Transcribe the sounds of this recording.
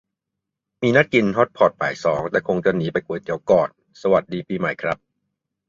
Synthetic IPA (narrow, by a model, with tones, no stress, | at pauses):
miː˧na˦˥t̪̚ki˧nɦɔ˦˥t̪̚pʰɔː˨˩t̪̚pʰa̰ː˨˩jsɔː˩˦ŋt̪ɛː˨˩kʰo˧ŋt͡ɕa˨˩niː˦˥pa˧jku˧˩əjt̪i˧əwkɔː˨˩n | sa˧wa˨˩t̪̚diː˧piː˧ma˨˩˦jkʰɾa˦˥p̚